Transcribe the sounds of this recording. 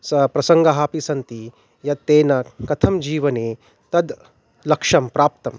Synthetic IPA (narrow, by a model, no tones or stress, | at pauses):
sɐpɾɐsɐŋɡɐɦaːpisɐnt̪i | jɐt̪ːeːnɐkɐt̪ʰɐmd͡ʒiːʋɐneː | t̪ɐd̪ | lɐkʂɐmpɾaːp̚t̪ɐm